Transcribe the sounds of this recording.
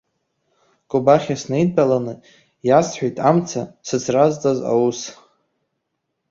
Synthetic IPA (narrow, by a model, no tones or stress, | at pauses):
kʼʊbaχʲasnejdbʼalanɨ | jasħʷᶣejtʼamt͡sʰasɨt͡sʰrazt͡sʼaza̰wus